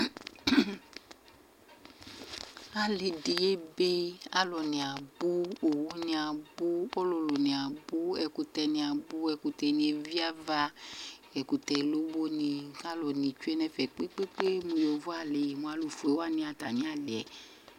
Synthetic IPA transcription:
a˨le˨di˨je˦be˦a˦lɔ˨nĩ˨a˨bu˦o˨wu˦nĩ˧a˨bu˦ɔ˦lo˨lo˨nĩ˨a˨bu˦ɛ˨ku˧tɛ˨nĩ˨a˨bu˦ɛ˨ku˨tɛ˨nĩ˨e˨vi˦a˦va˦ɛ˨ku˨tɛ˨lo˦bo˦nĩ˨ka˦lɔ˨nĩ˨t͡ʃu˦e˦nɛ˦fɛ˨k͡pe˦k͡pe˦k͡pe˦mũ˧jo˨vɔ˦a˦˨le˨mũ˨a˨lu˨fu˨e˨˦wa˦˨nĩ˧˦a˨ta˨mĩ˦a˦le˨ɛ̰˨

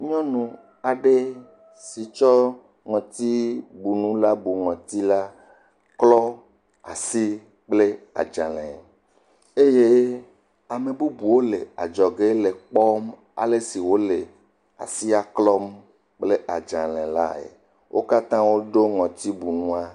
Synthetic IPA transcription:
ɲɔ̃˦nũ˨ | a˨ɖe˦ | si˨t͡ʃɔ˦ | ŋɔ̃˨t̪i˦bu˨nũ˦la˦bu˨ŋɔ̃˨t̪i˦la˦ | klɔ˦ | a̰˨si˦ | k͡ple˦a̰˨d͡ʒã˨lɛ̰̃˨ | e˦je˦ | a˨mẽ˨bu˦bu˨wo˦le˨a̰˨d͡ʒɔ˨ɡe˦le˨k͡pɔ˦m | a̰˨le˦si˨wo˦le˨ | a̰˨si˦a˦klɔ˦m | k͡ple˦a˨d͡ʒã˨lɛ̃˨la̰˦ḛ˨ | wʔo̰˦ka˦t̪ã˦wo˦ɖo˦ŋɔ̃˨t̪i˦bu˨nũ˦a˦

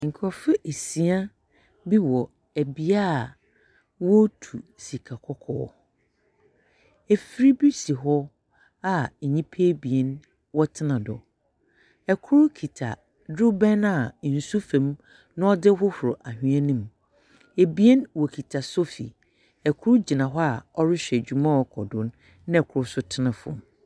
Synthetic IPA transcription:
ŋ̩˨kʰɔ˨fɪ˦ʔe˨si˨a˦ | bi˦wɔ˨ | æ˨bi˨a˦˨ | wɔ˦tʰu˨si˨kʰa˨kʰɔ˦kʰɔ̰ː˦ | e˨fɾi˦bi˦si˨ɦɔ˦ | a˦˨ɲĩ˦pʰe˦bi˨ɛ˦n | wɔ˦tʰɪ˦nã˨dɔ̰˨ | ɛ˨kʰʊ˦ɾʊ˦kʰi˨tʰa˨ | dʊ˦bɛ˦na˨n̩˨su˦fɛ̃˨m | nʊ̃˦ɔ˦dɪ˦ɦʊ˦hʊ˨ɾʊ˨ʔa˨hᶣĩ˦ã˦nĩ˦m | e˨bi˦ɛ˦nwɔ˨kʰi˨tʰa˨so˦fḭ˨ | ɛ˨kʰʊ˦ɾʊ˦d͡ʑi˨nã˨ɦɔ˦a˨ɔ˦ɾɪ˦ɕᶣɛ˨d͡ʑᶣu˨mã˦ɔ˨kʰɔ˨dʊ̃˨nː | ɪ̃˦ɛ˨kʰʊ˨ɾʊ˦sʊ˦tʰɪ˦nã˨fʊ̰̃˨m˨

